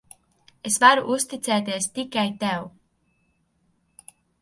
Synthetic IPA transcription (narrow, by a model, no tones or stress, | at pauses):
esvaɾuʔust̪it̪sɛːt̪iɛst̪ikajt̪ɛw